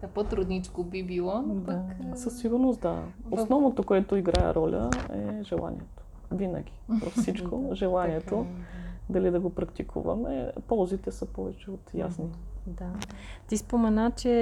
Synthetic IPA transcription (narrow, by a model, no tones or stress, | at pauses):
apot̪ɾud̪nit͡ʃkobibilˠɔdasəsːiɡʊɾnost̪d̪a̰osnɔvnot̪okoɛt̪oiɡɾaɛ̰ɾʔɔlʲʔəɛʒɛlˠʔa̰nḭɛt̪o̥ | vinə̰ɡʲivɐfsit͡ʃkʰoʒɛlˠaniɛt̪od̪ɐlid̪ɐɡopɾɐkt̪ikʰṵvɐ̰mɛ̰pɔlˠzit̪ɛsəpɔvɛt͡ʃɛot̪ja̰snid̪at̪ispomɛnat͡ʃɛ